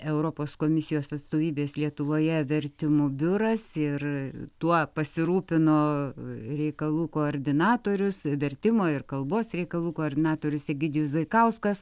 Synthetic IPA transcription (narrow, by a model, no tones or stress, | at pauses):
ɛʊɾoːpoːskoːmʲɪsʲɪjoːsɐt̪st̪oːʋʲiːbʲeːslʲiɛt̪ʊʋoːjɛʋʲɛɾʲt̪ʲɪmʊbʲʊɾɐsɪrt̪uɔpɐsʲɪɾuːpʲɪnoː | ɾʲɛɪkɐlˠuːkoːoːɾʲd̪ʲɪnɑːt̪oːɾʲʊsʋʲɛɾʲt̪ʲɪmoːɪrkɐlˠboːsɾʲɛɪkɐlˠuːkoːrʲd̪ʲɪnɑːt̪oːɾʲʊsʲɛɡʲɪd̪ʲɪjʊsʋɐɪkɐʊskɐs